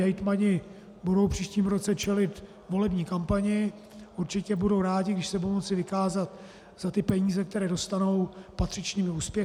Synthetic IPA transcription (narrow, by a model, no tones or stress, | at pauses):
ajt̪maɲɪ | budowpr̝̥iːʃciːmɾo̞t͡sɛt͡ʃɛlɪt̪ | vo̞lɛbɲiːkampaɲɪ | ʔuɾt͡ʃɪcɛbudowɾaːɟɪɡdɪʃsɛbudowmot͡sɪvɪkaːzat̪ | z̥at̪ɪpɛɲiːzɛk̚t̪ɛɾɛːdo̞st̪ano̞wpat̪r̥ɪt͡ʃɲiːmɪuːspjɛ